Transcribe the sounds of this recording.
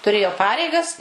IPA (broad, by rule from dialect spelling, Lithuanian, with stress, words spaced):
tʊˈrʲeːjoː ˈpɑːrʲɛɪɡɐs